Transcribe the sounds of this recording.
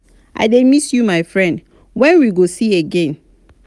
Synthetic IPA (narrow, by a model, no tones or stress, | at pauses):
ʔa̰ɪdemisjumaɪfɹɛ̃nd | wɛ̃nwiɡosieɡɛ̃n